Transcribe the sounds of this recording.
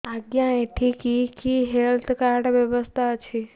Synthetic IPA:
aɡjãeʈʰikikiːɦelt̪ʰkaɾɖʋjəʋəst̪ʰaət͡ʃʰi

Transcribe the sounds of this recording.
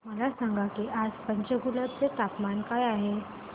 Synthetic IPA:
məlasaŋɡakiːʔad͡zpəɲt͡ɕəɡuləbtət̪apmankajaɦe

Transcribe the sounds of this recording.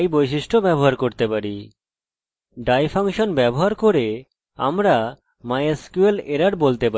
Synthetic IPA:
jbojʃiʃʈobɛboɦaɾkoɾt̪epaɾi | ɖajfʰaŋʃonbɛboɦaɾkoɾe | a̰mɾa | majeskueleɾaɖbolt̪epa

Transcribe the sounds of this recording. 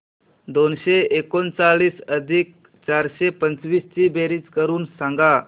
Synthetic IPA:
d̪onɕeekont͡saɭiːsəd̪ʱiːk̚ | t͡ɕaɾɕepənt͡sʋiːst͡ɕiːbeɾiːt͡skəɾuːnsãŋɡa

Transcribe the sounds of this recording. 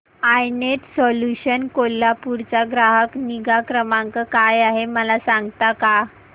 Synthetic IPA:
ajnet̪sɔljuɕənkolːapuɾt͡saɡɾaɦəkniɡakɾəmãŋkəkajaɦeməlasãŋɡt̪aka

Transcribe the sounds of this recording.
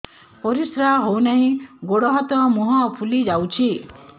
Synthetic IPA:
pɔɾisɾaɦownaɦĩɡoɽɔɦɔt̪ɔmuɦɔ̃pʰulid͡ʒawt͡ʃʰi

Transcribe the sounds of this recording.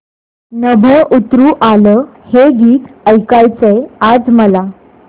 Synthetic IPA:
nəbʱəʔut̪ɾuːʔaləheɡiːt̪əjkajt͡sejad͡zməla

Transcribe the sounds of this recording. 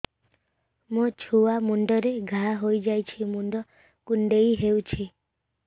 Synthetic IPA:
mũt͡ʃʰuwamuɳɖɔɾeɡʱaɦojd͡ʒajt͡ʃʰimuɳɖɔ | kuɳɖejɦewt͡ʃʰi

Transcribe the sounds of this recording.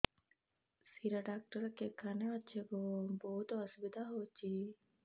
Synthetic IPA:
siɾɐɖaːk̚ʈɐɾɐkːekɐnaɐt͡ʃʰeɡoboɦut̪ɐsubid̪aɦoːt͡ʃːi

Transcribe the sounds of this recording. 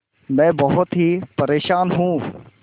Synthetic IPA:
mɛ̃ːbɐɦʊt̪ɦipɐɾeːʃaːnɦũː

